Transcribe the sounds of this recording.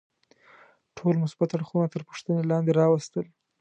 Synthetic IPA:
ʈʰolmʊsbat̪aɽxunat̪əɾpə̥ʂt̪ənelɑnd̪eɾɑwast̪əl

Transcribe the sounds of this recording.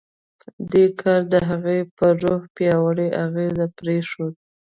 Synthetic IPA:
d̪ekʰɑɾd̪əɦaɣepəɾohpjɑwaɽeʔaɣezapɾeʂod̪̚

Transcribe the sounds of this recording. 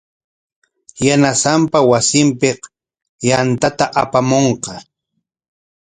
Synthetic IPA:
janasampawasɪmpeq | jant̪at̪aʔapamoɴqɑ

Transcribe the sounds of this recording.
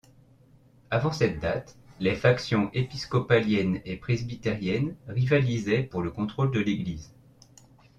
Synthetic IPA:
avɑ̃sɛt̪̚d̪at̪lefaksjɔ̃ʔepiskɔpaljɛnepχezbit̪eʁjɛnʁivalizɛpuʁləkɔ̃t̪χold̪əleɡliz

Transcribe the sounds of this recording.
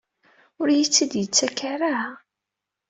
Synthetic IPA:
ʊɾjit͡sːid̪jət͡sːækːaɾa

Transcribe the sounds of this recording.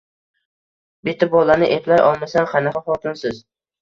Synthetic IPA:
bɪt̪ʰːabɒlanɪʔeplajʔɒlˠmasanχanaχaχɒt̪ʰɪnsɪz

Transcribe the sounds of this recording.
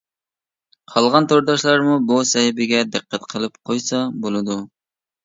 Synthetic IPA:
qʰɑlˠʁɑnt̪ʰoɾd̪ɑʃlˠɑɾmubusɛhɪbɪɡʲɛd̪ɨqʰːæt̪qʰəlˠɨpqʰojsɑbolˠɨd̪u

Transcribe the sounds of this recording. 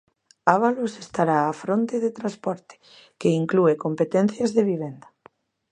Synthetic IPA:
aβalosest̪aɾaːfɾont̪eðet̪ɾaspɔɾt̪e̥ | keiŋkluekompet̪ɛn̟θjazðeβ̞iβend̪a

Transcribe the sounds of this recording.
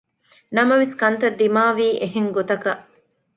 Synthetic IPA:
nɐmɐʋeskɐnt̪ɐd̪ːimaːʋiːʔeɦeŋɡot̪ɐkɐʔ

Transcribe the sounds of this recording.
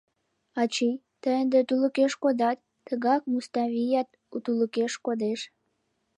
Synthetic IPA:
ɑt͡ɕij | t̪əjənd̪et̪uləkeʃkod̪ɑt̪ː | əɣɑk̚must̪ɑβijɑt̪̚ | ut̪uləkeʃkod̪eʃ

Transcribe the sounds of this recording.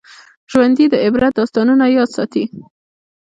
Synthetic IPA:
ʒ̥wand̪id̪əɪbɾat̪̚d̪ɑst̪ɑnunajɑd̪sɑt̪i

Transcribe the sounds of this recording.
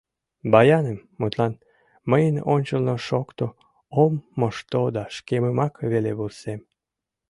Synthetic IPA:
bɑjɑnemːut̪lɑn | məjənonʲt͡ɕəlnoʃokt̪o | omːoʃt̪od̪ɑʃkeməmɑkβeleβulsem

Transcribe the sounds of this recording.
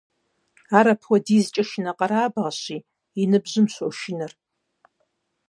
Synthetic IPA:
aːɾapʰwɐdiːzt͡ʃʼɐʃnaqʼɐɾaːbʁɐɕi | inɨbʑɨmɕʷɔʃɪnɨr

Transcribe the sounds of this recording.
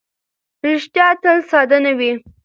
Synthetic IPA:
ɾɪʃt̪jɑt̪əlsɑd̪anawi

